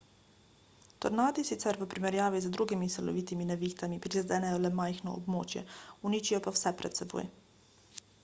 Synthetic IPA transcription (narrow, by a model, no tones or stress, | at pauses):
t̪ɔɾnaːd̪isit̪sɛɾʋəpɾimɛɾjaːʋizəd̪ɾuːɡimisɛlɔ̰ʋit̪iminɛʋixt̪amipɾizɛd̪ɛːnɛjɔlɛmajxnɔ̰ːbmoːt͡ʃjɛ̰uniːt͡ʃijɔpawsɛpɾɛ̰t̪sɛbo̰ːj